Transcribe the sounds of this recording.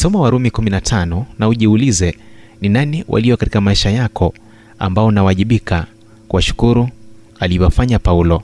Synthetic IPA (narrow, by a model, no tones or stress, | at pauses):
sɔmawaɾumikuminatʰanɔnauʄiulizɛninaniwʔa̰liɔkati̥kamaiʃajakʰɔ | a̰mbaɔnawaʄiɓikʰa | kuwaʃu̥kuɾu | aliwafaɲapaulɔ